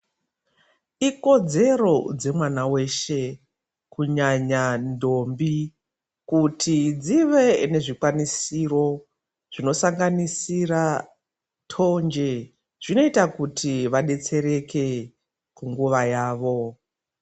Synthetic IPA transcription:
iko̞d͡ze̞ro̞d͡ze̞mwanawe̞ʃe̞ | kuɲaɲando̞mbi | kutʰid͡ziʋe̞ne̞ʐikwanisiro̞ | ʐ̥ino̞saŋɡanisira | tʰo̞nd͡ʒe̞ | ʐ̥ino̞itakutʰiʋaɗe̞t͡se̞ɾe̞ke̞ | kuŋɡuʋajaːʋo̞

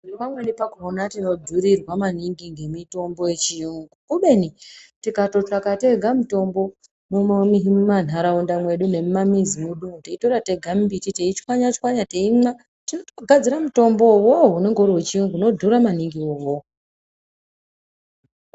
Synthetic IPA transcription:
ukamwenipakuonatino̞dʱuɾirwamaniŋɡiŋɡe̞mito̞mbo̞je̞t͡ʃijuŋɡukuɓe̞nitikato̞t͡ʃakate̞ɡʱamuto̞mbo̞ | mummiɦimuman̤aɾaundamwe̞ɗune̞mumamizimuɗuŋuteito̞ɾate̞ɡʱambititeit͡ʃwaɲat͡ʃkwaɲateima | tinotoɡʱad͡ziɾamuto̞mbowoɦune̞ŋɡo̞ɾowet͡ʃijuŋɡuno̞dʱuɾamaniŋɡiowo

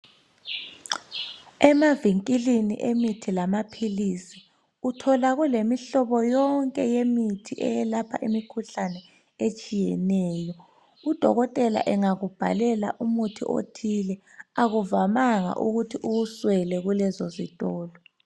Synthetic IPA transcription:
ɛmaviŋkʼilinḭʔemitʰilamapʰilisi̥ | utʰɔlaɣulemiɬɔβɔjɔŋkʼɛjemitʰiʔɛ̰jɛlapʰa̰ʔimikʰuɬanɛ | et͡ʃʼijɛ̰nɛːjɔ | ud̥ʱɔ̰ɣɔtʼɛla̰ʔɛŋaɣub̥ʱa̰lɛla̰ʔumutʰḭʔo̰tʰilɛ | aɣuvamaŋa̰ʔṵɣutʰiʔuuswɛlɛɣulɛzɔzitʼɔːlɔ

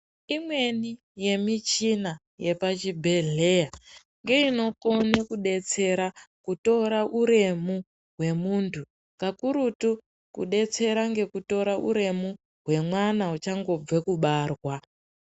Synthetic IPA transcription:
imwe̞ni | je̞mit͡ʃina | je̞pat͡ʃibʱe̞ɮeja | ŋɡe̞ino̞konekuɗe̞t͡se̞ɾakuto̞ɾaʔuɾe̞mu | ɦwe̞muntʰu | ŋkakuɾutu | kṵɗe̞t͡se̞ɾaŋɡe̞kuto̞ɾaʔṵɾe̞mu | ɦwe̞mwanaut͡ʃaŋɡo̞b͡vekuɓaːrwa

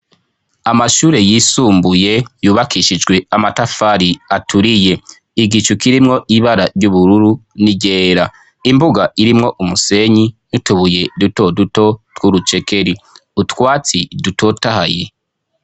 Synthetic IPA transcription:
amaʃuːɾe̞jiːsuːmbuje̞juːβakiʃid͡ʒɡwe̞amatafaɾiatʰuɾije̞ | iɡit͡ʃukiɾimŋo̞ʔiβaɾaɾɟuβuɾuɾuniɟeːɾa | imbuɡaiɾimŋo̞ʔumuse̞ɲinutuβuje̞duto̞duto̞dwuɾut͡ʃe̞ke̞ɾi | utwaːt͡siduto̞taha̰je̞̰

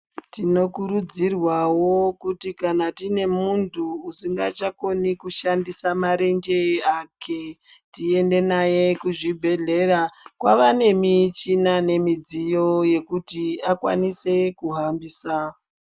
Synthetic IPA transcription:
tino̞kuɾud͡zirwawo̞kutikanatine̞muntʰuːsiŋɡat͡ʃako̞nikuʃandisamaɾe̞nd͡ʒe̞akʰe | tie̞nde̞naje̞kuʐibʱe̞ɮe̞ɾakwaʋane̞mit͡ʃinane̞mid͡zijo̞je̞kutiakwa̰nise̞kuɦambiːsa

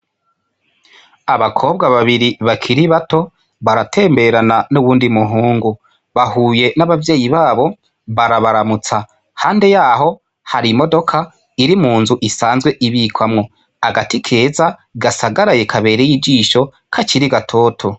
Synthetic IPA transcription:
aβakʰo̞ːb̚ɡaβaβiɾiβakʰiɾiβato̞ | βaɾatʰe̞ːmbe̞ɾananuβuːndimuɦuːŋɡu | βahuːje̞naβavje̞ːjiβaːβo̞ | βaɾaβaɾamut͡sa | haːnde̞jaːɦo̞ | haɾimo̞do̞kʰa | iɾimuːnzuʔisaːnzɡwe̞ʔiβikwamŋo̞ | aɡatikʰe̞ːzaɡasaɡaɾaje̞kʰaβe̞ːɾejid͡ʒiːʃo̞ | kʰat͡ʃiɾiɡatʰo̞ːtʰo̞

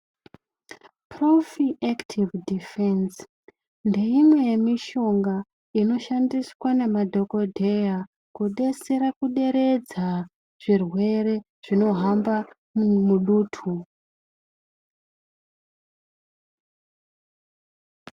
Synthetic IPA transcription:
pro̞fiʔaktʰivdifens | nde̞imwe̞je̞miʃo̞ŋɡa | ino̞ʃandiswane̞madʱo̞ko̞dʱe̞ja | kuɗe̞seɾakuɗe̞ɾe̞d͡za | ʐ̥irwe̞ɾe̞ | ʐ̥ino̞ɦamba | muɗuːtʰu

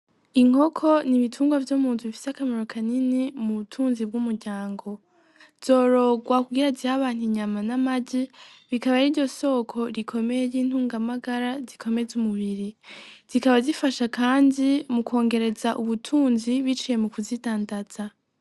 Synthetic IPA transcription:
iŋ̥o̞kʰo̞niβitʰuːŋɡwavjumuːntʰuβifi̥seakamaɾokʰaninimuβutʰuːnzib̚ɡumuɾɟaːŋɡo̞ | z̥o̞ːɾo̞ɡwakuɡiɾazihaβaːn̥hiɲamanamaɟiβikaβaɾiɾɟo̞so̞kʰo̞ɾikʰo̞me̞jejiːn̥huːŋɡamaɡaɾazikʰo̞me̞zumuβiɾiz̥ikaβazifaʃakaːndimukʰo̞ːŋɡe̞ɾe̞zaʔuβutʰuːnziβit͡ʃije̞mukuzitaːndaz̥a

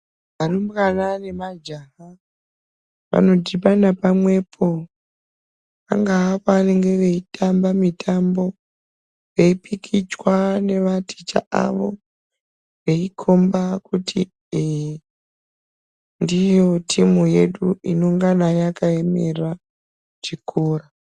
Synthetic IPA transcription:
ʋarumkanane̞mad͡ʒaɦa | ʋa̰no̞dipanapamwe̞pʰo̞ | a̰ŋɡaapoane̞ŋɡe̞ʋe̞itʰambamitʰambo̞ | ʋe̞ipikʰit͡ʃwane̞ʋatʰi̥t͡ʃa̰a̰ʋo̞ | ʋe̞ikʰo̞mbakuti | ndijo̞tʰimuje̞ɗuino̞ŋɡanajakaeme̞ra | t͡ʃikʰuːra

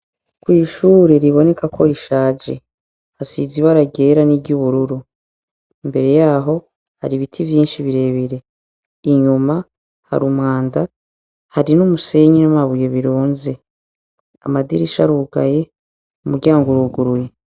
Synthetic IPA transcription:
kwiːʃuːɾeɾiβo̞ne̞kakʰo̞ɾiʃaːd͡ʒe̞̰ | hasiziβaɾaɡe̞ɾaniɟuβuɾuɾu | imbe̞ɾe̞jaːɦo̞ | ha̰ɾiβitʰivjiːnʃiβiɾe̞βeɾe | iɲuma | ha̰ɾumŋaːnda | haɾinumuse̞ɲinumaβujeβiɾuːnze̞ | a̰madḭɾiʃa̰ɾuɡa̰je̞ | umuɾɟaːŋɡuɾuɡuɾuje

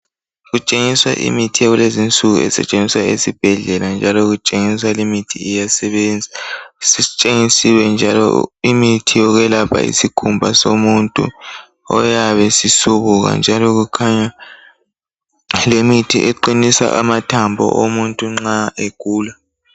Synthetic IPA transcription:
ɣut͡ʃʼeŋiswa̰ʔḭmitʰijaɣulezint͡sʼuɣṵɛ̰sɛ̰t͡ʃʼeniswaḛsib̥ʱɛɮɛland͡ʒʱalɔɣut͡ʃʼeŋiswalimitʰiijasɛβɛnd͡zʱasit͡ʃʼeŋisiwɛnd͡ʒʱalɔ̰imitʰijɔɣɛlapʰa̰ḭsikʰumbʱasomuntʼṵ | ɔjaβɛsisuβuɣa̰nd͡ʒʱalɔɣukʰaɲa | lemitʰḭʔeǃinisa̰ʔamatʰambʱɔ̰ʔomuntʼuŋ͡ǁaeɡ̥ʱuːla

